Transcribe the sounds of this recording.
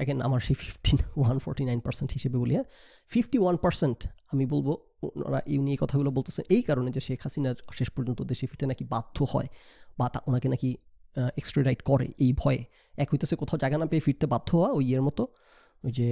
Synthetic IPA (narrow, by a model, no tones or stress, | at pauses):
ɛ̰kʰena̰maɾʃififʈinwanfɔ̰ɾʈinajnpa̰ɾsenʈhiʃebebolia | fifʈiwanpaɾsenʈamibolbo | na̰ɾa̰ʔeuniekɔt̪ʰaɡulobolt̪e̥sʰenejkaɾoned͡ʑeʃekʰhasinaɾʃeʃpɔɾd͡ʑont̪od̪eʃefiɾt̪enakibad̪̥ʱːohɔ̰ebat̪aʔonakenaki | eksʈɾoɾajɖkɔɾḛʔejbʱɔee | ɛkɦojt̪esekɔt̪ʰaod͡ʑaeɡanapeefiɾt̪ebad̪ʱːoɦoaojeɾmɔt̪o | d͡ʑe